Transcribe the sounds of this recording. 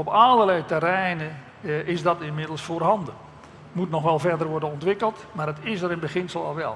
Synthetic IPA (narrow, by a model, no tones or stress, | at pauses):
ɔpalˠərlɛjtɛrɛjnə | ɪzdɔtɪnmɪdəl̩ˠsfoːrɦɑndə | mutnɔxʋɛlˠvɛrdərʋɔrdənɔntʋɪkəlˠtmaːdətɪsəɾɪnbəxɪnsəlˠɔ̰lˠʋɛ̰lˠ